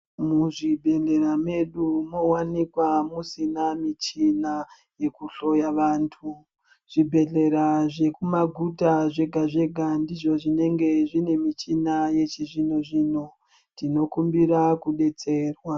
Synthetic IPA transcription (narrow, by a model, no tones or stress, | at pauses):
muʐibʱe̞ɮe̞ɾame̞ɗumo̞wanikwamusinamit͡ʃina | je̞kuɬo̞jaʋaːntʰu | ʐ̥ibʱe̞ɮe̞ɾaʐe̞kumaɡʱutaʐe̞ɡʱaʐe̞ɡʱandiʐo̞ʐine̞ŋɡe̞ʐine̞mit͡ʃinaje̞t͡ʃiʐinoʐiːno̞ | tino̞kumbiɾakuɗe̞t͡se̞ːrwa